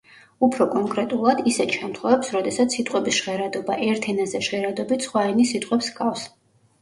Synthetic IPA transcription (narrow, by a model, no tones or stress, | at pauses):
upʰɾɔkʼɔŋkʼɾɛt̪ʼulˠad̪isɛt̪ʰʃɛmt̪ʰχwɛvɛpsɾɔd̪ɛsat̪sʰːit̪ʼqʼwɛbisʃʁɛɾad̪ɔbaʔɛɾt̪ʰɛnazɛʃʁɛɾad̪ɔbit̪sχwaɛnisit̪ʼqʼwɛpsɡafs